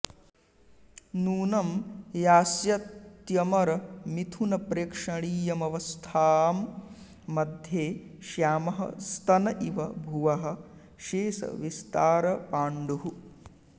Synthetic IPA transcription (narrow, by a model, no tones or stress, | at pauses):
nuːnɐmjaːsjɐt̪jɐmɐɾɐmit̪ʰunɐpɾeːkʂɐɳiːjɐmɐʋɐst̪ʰaːmː | ɐd̪ʱjeːʃjaːmɐɦɐ̰st̪ʰɐnɐʔiʋɐbʱuʋɐɦɐ̆ | ʃeːsɐ̰ʋist̪aːɾɐpaːɳɖuɦu